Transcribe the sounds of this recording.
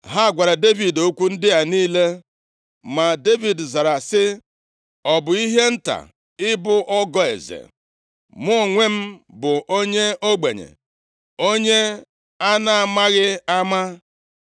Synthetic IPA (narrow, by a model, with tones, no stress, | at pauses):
ɦa˦˨ɡʷa˨ɾa˨de˦vi˨do˦kʷu˦n̩˦dɪ˦a˨niː˦le˦ | ma˨de˦vi˨dza˨ɾa˨sɪ˦ | ɔ˨bʊ˨i˦ɦe˦n̩˦ta̰˨ | ɪ˦bʊ˦ʔɔ˦ɡɔ˦ḛ˨zḛ˨ | mʊ˦˨ŋʷe˦m̩˦bʊ˨ʔo˦ɲe˦o˦ɡ͡be˨ɲḛ˨ | o˦ɲe˦ | a˦na˦a˨ma˦ɣɪ˦a˦ma˦